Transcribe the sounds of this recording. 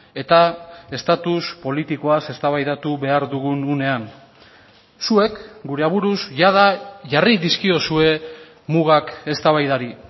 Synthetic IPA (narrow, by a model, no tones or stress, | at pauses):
e̞t̪ae̞st̪at̪uspo̞lit̪iko̞ase̞st̪aβajðat̪uβe̞aɾðuɣ̞unune̞an | sue̞kɡuɾe̞aβuɾusʝaðaʝariðiskio̞sue̞ | muɣ̞ake̞st̪aβajðaɾi